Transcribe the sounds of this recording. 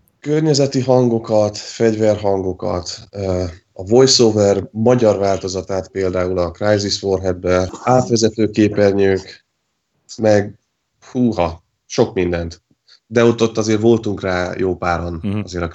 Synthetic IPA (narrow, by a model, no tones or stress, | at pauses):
kørɲɛzɛt̪iɦɒŋɡo̞kɒt̪fɛɟvɛrɦɒŋɡo̞kɒ̰t̪øɒvo̞jsovɛrmɒɟɒrvaːlt̪o̞zɒt̪aːt̪peːld̪aːulɒkrajzisforɦɛbbɛaːt̪ʋɛzɛt̪øːkeːpɛrɲøːk | mɛɡ | huːɦɒ | ʃo̞kmind̪ɛnt̪ | d̪ɛo̞t̪ːo̞t̪ːɒzeːɾvo̞lt̪uŋkraːjoːpaːɾonɒzeːɾɒ